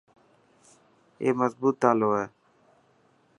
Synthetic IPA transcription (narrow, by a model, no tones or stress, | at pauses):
ḛːməzbuːt̪aloɛ